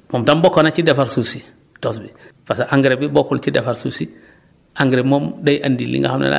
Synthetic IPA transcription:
mɔmtambɔkːonat͡ʃidefaɾsusi | tosbipasaʔaŋɡɾebibopult͡ʃidefaɾsusi | aŋɡɾemɔmdajʔandilːḭŋɡa̰hamna̰na̰

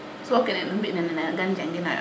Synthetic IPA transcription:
sookenenubinenanaɡand͡ʒaŋɡina̰j̰

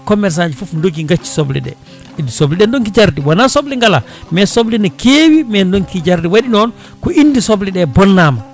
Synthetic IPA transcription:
kɔmːɛɾs̬ad͡ʒifufndoɡiŋɡat͡ʃːi̥soblḭɗɛ̰ | indisobliɗɛndoŋkid͡ʒaɾdiwanasobliŋɡala̰ | mɛsoblinakeːwimɛndoŋkid͡ʒaɾdiwaɗinɔn | kɔinːdisobliɗɛbɔnːaːma

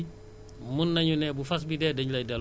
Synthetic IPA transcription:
munːɐɲunɛbufɐs̬bidɛdɐɲulɐjdɛ

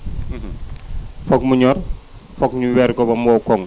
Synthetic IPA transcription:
fɔk̚muɲɔr | fɔkɲuwɛɾkɔbɐmɔkɔŋ

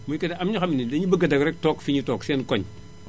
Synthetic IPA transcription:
mukenamɲixaminideɲibaɡadaɡɾek̚tokfiɲitoksenkoɲ

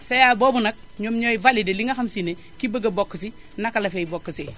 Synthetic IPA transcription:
sɐjaːbɔːbunɐk̚ | ɲomɲɔːjivalideliŋɐxɐmsine | kibəɡɐbɔkːəsi | nɐkɐlɐfejbɔkːɐsi

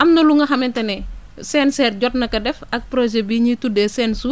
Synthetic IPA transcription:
ʔɐmnɐluŋɡɐxɐmɛntɛnɛ | sɛnsɛːrɟɔtnɐkɐdɛfɐk̚pɾɔʒ̬ɛbiɲitudɛsɛːnsu

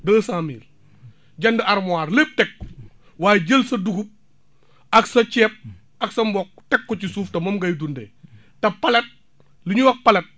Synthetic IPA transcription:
dəːsaːmḭːr | ɟɐndəɐrmuaːrleːp̚tɛkːɔ̥ | waːjɟəlsɐduɡup̚ | ɐksɐt͡ʃɛːp̚ | ɐksɐmbɔːk̚tɛkːɔcisuːftɐmɔmɡɐjdundɛ̰ː | tɐpɐlɛt̚ | luɲuwɐk̚pɐlɛt̚

